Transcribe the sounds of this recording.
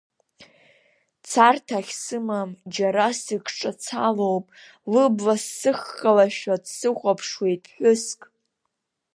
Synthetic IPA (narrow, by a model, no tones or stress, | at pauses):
t͡sʰartʰaχʲsɨmamd͡ʒaɾasɨkʰʈ͡ʂʼat͡sʰalowpʼ | lɨblasːɨχːalaʃᶣadsɨχʷapʰʂwejtʼʰħʷʊskʼ